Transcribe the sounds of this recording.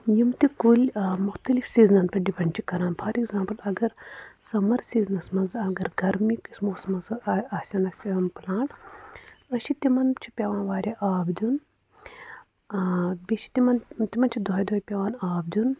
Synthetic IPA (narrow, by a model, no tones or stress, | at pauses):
jimt̪ikulʲmuxt̪ɐlifsiːznɐnpɐɖipʰɐnt͡ʃʰikɐɾãːnpʰɐɾiɡzãːmpɐlɐɡɐɾsɐmɐɾsiːznɐsmɐnzɐɡɐɾɡɐɾmikismoːsmɐzɨɐsʲɐnɐsimplãːɳʈ | ɐʃit̪imɐnt͡ʃʰi̥pʲeʋaːnʋaːɾʲiʔaːbdʲun | biʃi̥t̪imɐnt̪imɐnt͡ʃʰid̪oːjd̪oːjpʲeʋaːnaːb̚d̪un